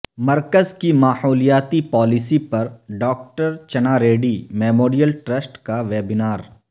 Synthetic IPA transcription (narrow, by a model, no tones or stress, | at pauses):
mɐɾkəzkimaːhoːlijaːt̪ipɔːlɪsipɐɾɖɔːk̚ʈəɾt͡ʃɐnaːɾeːɖimɛːmoːɾijəlʈɾəsʈkaʋeːbɪnaːɾ